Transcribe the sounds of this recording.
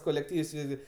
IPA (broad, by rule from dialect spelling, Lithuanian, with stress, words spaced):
koːlʲɛkˈtʲiːws ˈʋʲɪzʲɡʲɪ